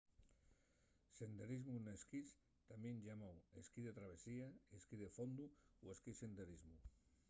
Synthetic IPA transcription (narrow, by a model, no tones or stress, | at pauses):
send̪eɾizmuneskis | t̪aminʲʒamaweskiðet̪ɾaβ̞esiaeskiðefond̪uweskisend̪eɾizmu